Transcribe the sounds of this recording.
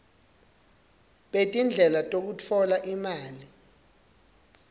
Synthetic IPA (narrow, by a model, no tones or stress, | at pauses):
ɓetʼind͡ɮʱɛlatʼok̬ut͡fʰɔlaʔimaːli